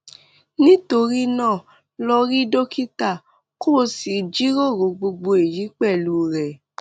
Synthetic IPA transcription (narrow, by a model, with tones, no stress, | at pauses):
nĩ˦to˧ɾi˦nãː˦˨ | lɔ˧ɾi˦do˦ki˦ta˦˨ | ko˦˨si˨d͡ʒi˦ɾo˦˨ɾo˨˦ɡ͡bo˧ɡ͡bo˧e˨ji˨˦k͡pɛ˦˨lu˦ɾɛ˨